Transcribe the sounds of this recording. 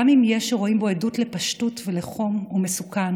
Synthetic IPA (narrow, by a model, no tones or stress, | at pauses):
amimjeʃeʁo̞imbo̞edutle̞pɐʃtutveleχo̞mumesukan